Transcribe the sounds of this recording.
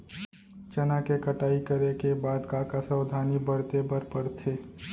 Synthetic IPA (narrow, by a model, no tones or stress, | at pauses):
t͡ʃɐnakekəʈaːikəɾekebaːd̪kakasəwd̪ʱaːnibəɾt̪ebəɾpəɾt̪ʰeː